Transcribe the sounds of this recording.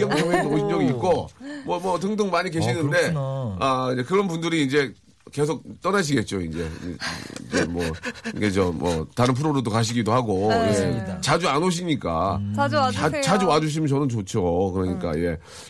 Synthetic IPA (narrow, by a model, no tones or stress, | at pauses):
ʌŋʌŋweoiɲʌɡiːt̚k͈omwʌmʌt̬ɯŋdɯŋmaɲik̬e̞ɕʰinɯnde̞aekɯɾʌnpundɯɾiːnd͡ʑe̞ | ke̞s̬ʰok̚t͈ʌnaɕ̬ʰiɡe̞t̚t͡ɕ͈oind͡ʑe̞̰ḭd͡ʑemwʌiɡet͡ɕʌmʌ̰taɾɯnpʰuɾoɾodokaɕ̬ʰiɡidohaɡojet͡ɕad͡ʑuanoɕ̬ʰiɲik͈a̰ | at͡ɕad͡ʑuwad͡ʑuɕ̬ʰimʌnt͡ɕʌnɯnt͡ɕot͡ɕʰokɯɾʌɲik͈a̰je̞